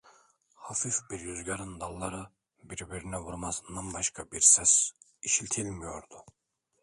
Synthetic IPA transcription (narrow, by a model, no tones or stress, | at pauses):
hafifbiɾjyzɟaɾɯnd̪alˠːaɾɯ | biɾbiɾinɛvuɾmasɯnd̪anbaʃkʰabiɾsɛs | iʃilʲt̪ʰilʲmijo̞ɾd̪ʊ